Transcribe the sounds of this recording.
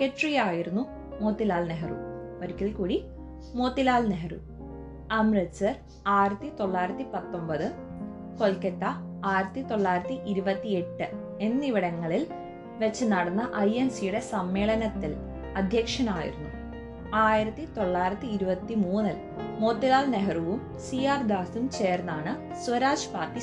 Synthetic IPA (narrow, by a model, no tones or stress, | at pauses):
keʈrijaːjiɾunːu | mo̞ːt̪ːilaːlneɦɐrṵoɾukʲːilkuːɽi | mo̞ːt̪ːilaːlneɦɐrṵ | ɐmrɐsɐr | aːjiɾɐt̪ːit̪o̞ɭːaːjiɾɐt̪ːipɐt̪ːo̞mbɐðɨ | ko̞lkɐt̪ːɐ | aːjiɾɐt̪ːit̪o̞ɭːaːjiɾɐt̪ːiʔiɾubɐt̪ːie̞ʈːɨ | e̞nːiʋiɽɐŋːɐɭil | ʋet͡ɕːɨnɐɽɐnːɐʔɐjemsijuɽe̞sɐmːe̞ːɭɐnɐt̪ːil | ɐd̪ʱjɐkʂɐnaːjḭɾunːu | aːjiɾɐt̪ːit̪o̞ɭːaːjɾɐt̪ːiːɾubɐt̪ːimuːnɐl | mo̞ːt̪ːilaːlneɦɐruʋum | siːaːrd̪aːsumt͡ɕe̞ːrnːaːɳɨ | suʋɐɾaːʂpaːt̪ːi